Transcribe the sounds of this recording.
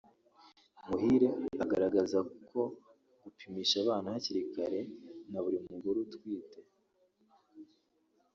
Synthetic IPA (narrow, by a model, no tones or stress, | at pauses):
muɦiɾe̞aɡaɾaɡazakukʰo̞ | ɡ̥upʰimiːʃaβaːnahaciɾikaɾe̞naβuɾimuuɡuɾutwiːte̞